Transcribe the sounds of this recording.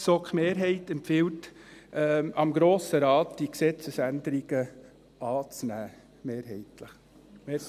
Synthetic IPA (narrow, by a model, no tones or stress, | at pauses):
sɔkχmeːɾɦɛɪtɛmpfɪwtː | ɑmɡɾoːsəɾɑːtd̥iksɛt͡səsænd̪əɾiɡ̥ə | ɑːt͡snæː | meːɾɦɛɪtləχ | mɛ